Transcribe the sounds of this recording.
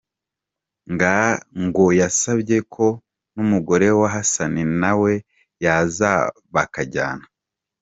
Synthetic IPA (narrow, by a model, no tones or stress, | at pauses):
ŋɡaŋɡo̞jasabɟe̞kʰo̞ | numuɡo̞ɾe̞waɦasaninawe̞ | jazaβakaɟa̰ːna